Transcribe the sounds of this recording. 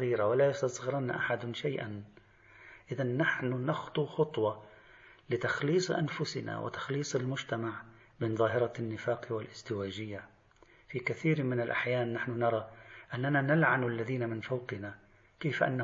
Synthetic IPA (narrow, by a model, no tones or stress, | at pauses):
iːɾawalajʊst̪asˤɣɪɾˤɑnaʔaħad̪ʃajʔa̰n | ʔɪðanːaħnʊnɑxt̪ˤuxʊt̪ˤwɑ | lɪt̪axliːsˤʔa̰nfʊsɪ̰na̰wʔɪ̰t̪ḁxliːsˤɪlmʊʒt̪amaʕ | bɪnðˤɑːɦɪɾˤɑnːɪfaːqwɪlʔɪzt̪ɪwaːd͡ʒɪjːa | fikaθiːɾmɪnɪlʔa̰ħjaːnːaħnʊnɑɾˤɑʔanːananalʕanalːaðiːnamɪnfɑwqɪna | keːfʔa̰nːa